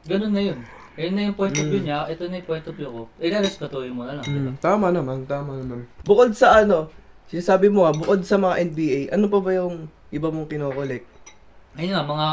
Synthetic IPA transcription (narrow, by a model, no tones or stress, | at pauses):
ɡɐnonːɐjon | ɡɐjonːɐjʊŋpojnobluɲaʔɛt̪onɐjʊpojnt̪opblukoɪlaɾst̪ɐt̪ujomonɐlɐŋt̪aːmɐnɐmant̪aːmɐnɐmanbʊko̞d̪̚sɐʔɐno̞sɪnaːsaːbɪmo̞habʊko̞d̪̚sɐmɐŋaʔɛnbiːʔajʔɐnop̬ɐbɐjʊŋ | ʔɪbɐmoŋkɪnoːkolɛk̚t̪̚ | ɐjnɐmɐŋa